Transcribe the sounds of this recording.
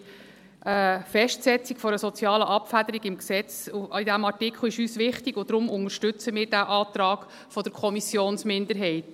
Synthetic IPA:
ʔəfɛʃtsɛt͡sikfɔɾəsɔt͡sjɑːləʔɑpfæd̥̪əɾiɡɪmksɛt͡suid̥æmɑɹtɪkʰχl̩ɪʃyːsʋɪχtiɡ̥ʊd̥ɾʊmʊŋəɾʃtʏt͡səmɪːɾdæʔɑːt̪rɑːɡ̥ | fɔd̥̪əɾkʰɔmisjoːnsmɪndəɾɦɛɪt

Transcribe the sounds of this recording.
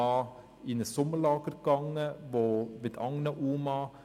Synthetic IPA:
ɑ | inəsɔməɭɑːɡəɾɡ̥ɑŋːəʋoʋed̪ɑŋnɑʔuːmɑ

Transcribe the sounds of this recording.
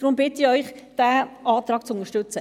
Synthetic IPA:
d̥ɾʊmbɪtɪɔʏχd̥æːʔɑːt̪ɾɑːkt͡sʊnəʃtʏt͡sə

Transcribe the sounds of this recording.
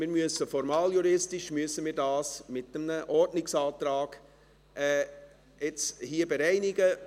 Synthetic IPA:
mɪːɾmyəsəfɔɾmɑːljuɾɪstɪʃmyəsəmiːɾdɑːsmɪtəmnəʔɔɾdnɪksɑːt̪ɾɑːɡ̥ | ɛ | ɪt͡shiəbɛɾɛɪnɪɡə

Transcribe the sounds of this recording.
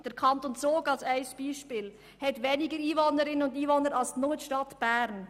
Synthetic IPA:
d̥əɾkʰɑnt̪ont͡soːɡɑlsæɪsb̥iːʃpɪːl | hɛtʋɛnɪɡəɾiːvonəɾɪnənʊndiːvonəɾɑlsnotʃtɑtb̥æːɾn

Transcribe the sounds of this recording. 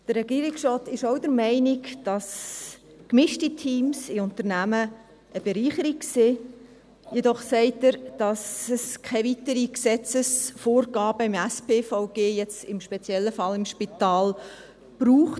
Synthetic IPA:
d̥əɾːɛɡiːɾɪksɑːtɪʃoʊdəɾmɛɪnɪkd̥ɑs | kmɪʃtitʰiːmsɪʊntəɾnæmə | əb̥eɾiːχəɾikse | jedɔχsɛɪtəɾd̥ɑsəskʰɛɪvitəɾiksɛt͡səsfoːɾɡɑːb̥əɪmæspeːfaʊɡeːjɛt͡sɪmʃpɛt͡sjɛlːəfɑlɪmʃpit̪ɑːl | b̥ɾuːχt

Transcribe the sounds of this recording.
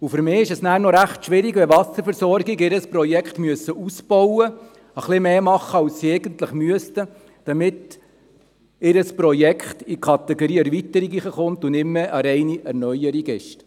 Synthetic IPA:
ʊfʏɾmɪːɪʃɛsnæːɾnɔɾæχtʃʋɪɾɪɡʋɛʋɑsəɾfɛɾsɔɾɡɪɡɪɾəspɾɔjɛkχtmyəsːəʔusb̥ɔwə | əχlɪmeːmɑχːəɑwssiɛɪɡənt̪ləχmyəstə | d̥ɑmɪt | ɪɾəspɾɔjɛkʰχtikʰɑt̪ɛɡoɾiːæɾʋit̪əɾiɡiχəχʊnt̪ʊnɪmːəʔəɾɛɪniʔæɾnœjəɾiɡɛʃt

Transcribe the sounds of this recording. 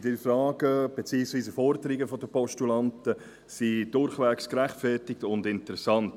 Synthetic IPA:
d̥əfɾɑːɡəb̥et͡siːksʋiːsəfɔɾdəɾɪɡəfɔdəpɔʃtulɑntə | sid̥ʊɾχʋæːkskɾæχtfɛtɪktʊndɪntəɾɛsɑnt

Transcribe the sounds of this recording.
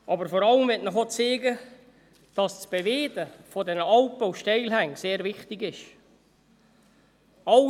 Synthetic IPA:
ʔɑbəɾfɔɾɑləmʋɛtnɔχot͡seːɡə | d̥ɑst͡sb̥eveːdəfodɛnəɑlp̚owʃtɛɪlɦæŋseːɾvɪχtɪɡɪʃ | ɑ

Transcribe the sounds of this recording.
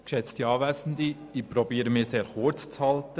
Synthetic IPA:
kʃɛt͡st̪iɑːʋæːsn̩d̪i | ipɾɔbiːɾəmɪːseːɾχott͡shɑltə

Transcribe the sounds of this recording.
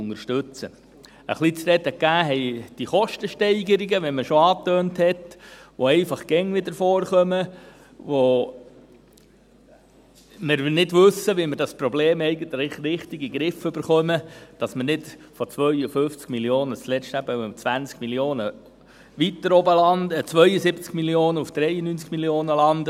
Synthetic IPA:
ʊŋəɾʃtʉt͡sə | ə̰χlit͡sɾɛt̪əkːæːɦɛɪd̥iχɔʃtəʃtɛɪɡəɾiɡəʋɛməʃoɑːtøːnthɛtʋoɛɪfɑχɡ̥ɛŋʋɪd̪əɾfɔːɾχœmə | ʋo | mɪɾʋɪnɪdʋɵsəʋimɪɾdɑspɾɔbleːmɛɪɡətllɪχɾɪχtiɡiɡɾɪfʏbəɾχœməd̥ɑsmənɪtfot͡sʋœʏəfʏft͡skmiljoːnət͡slɛt͡ʃtæbət͡svʋænt͡skmiljoːnə | ʋitəɾɔbəlɑndət͡sʋœjəsɪbt͡skmiljoːnəufd̥ɾɛjənynt͡skmiljoːnəlɑndə

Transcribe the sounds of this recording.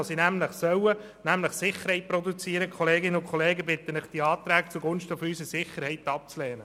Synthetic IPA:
osinæmləχsœwə | næmləχsɪχəɾhɛɪt̚pɾɔd̪ut͡siːəɾəkχɔleːɡɪnəʊnkʰχɔleːɡəbɪt̪ənlɪχd̥iɑːt̪ɾæːɡt͡suɡʊnʃtəfysəsɪχəɾhɛɪt̪ɑp̚t͡slɛːnə

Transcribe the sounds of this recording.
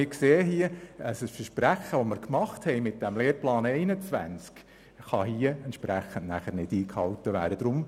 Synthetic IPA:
ɪkseːɦiəəsəsfəɾʃpɾæχəʋoməɾkmɑχthɛjmɪt̚d̥æmleːɾplɑːnɛɪnət͡sʋæ̰nt͡sk | χɑhiəɛntʃpɾæχːən̩tnæχəɾnɪd̥iːkhɑltəʋæ̰ːɾəd̥ɾʊm

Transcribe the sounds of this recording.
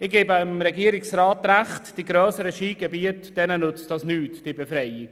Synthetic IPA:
ɪɡ̥eːbɪmɾɛɡiəɾɪksraːtɾaχtd̥iɡɾœːsəɾəʃiːɡebiətd̥ɛnənʊt͡sd̥ɑsnyːtd̥ibefɾɛɪi

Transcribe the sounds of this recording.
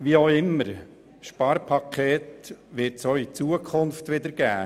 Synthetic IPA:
ʋioɪmːəɾ | ʃpɑːɾpʰɑkʰeːt̪ʋɪɾtsoːit͡suəkʰʊnft̪ʋɪd̪əɾɡ̥æː

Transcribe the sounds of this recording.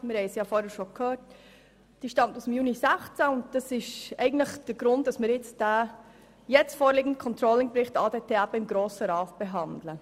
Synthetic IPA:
mɪːɾhɛɪsjɑːfoːɾhɛɾʃokʰhøːt | d̥iːʃtɑmtuːsmjuːnisæχt͡sanʊnt̚d̥ɑsɪʃɛɪɡən̩tləχd̥əɡ̥ɾʊntd̥ɑsmɪːɾjɛt͡std̥a | jɛt͡stfoːɾliːɡən̩dəkʰɔntɾoːlɪŋbɾɪχtɑːdeːtʰeːapɪmɡɾoːsəɾɑːtb̥eɦɑndlə

